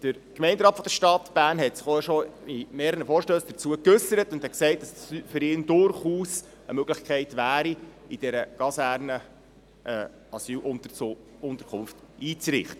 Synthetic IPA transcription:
d̥əɾ | kmɛɪndɾɑːtfɔd̥̪əʃtɑtb̥æːɾnɦɛtsɪχoʃɔimeːɾəəfɔːɾʃtøːsd̥əɾt͡suəkɵsːəɾətʊnd̥hɛtksɛɪt̚d̥ɑsyfʏɾɪːndʊɾχuːs | ə̰møɡ̥ləχkʰχɛɪtʋæːɾi | id̥ɛɾəɡ̥ɑsæɾnə | ʔɛː | ɑsyːlʔʊ | ʊnt̪əɾkʰχʊnft | iːt͡sɾɪχtə

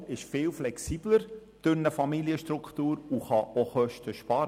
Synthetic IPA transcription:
ɪʃfɪːlflɛksiːb̥ləɾ | tʏnəfɑmiliəʃtɾukχt̪uːɾuχɑʔoχœʃtəʃpɑːɾə

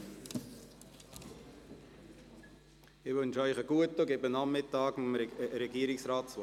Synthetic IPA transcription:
ɪʋɵnʃœʏχəɡ̥uətoɡebənɑmːɪtɑːɡmɾɛɡiəɾɪksrɑːtt͡s

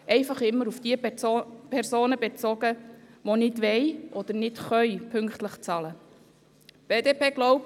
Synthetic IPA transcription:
ʔɛɪfɑχɪmːəɾufd̥iəpʰɛɾzoːnəbet͡sɔɡəʋonɪdʋɛjʔɔd̪əɾnɪtχœʏpʰʏŋkχtləχt͡sɑlə | b̥eːdeːpeːɡ̥lɔʊp̚

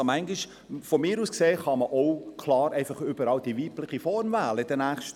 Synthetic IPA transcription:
mæŋɡɪʃ | fɔmɪːɾuːskseːχɑməʔoʊkʰlɑːɾɛɪfɑχʏb̥əɾɑːwd̥iʋiːplɪχifɔɾmvæːləɪd̥ənæːχʃt

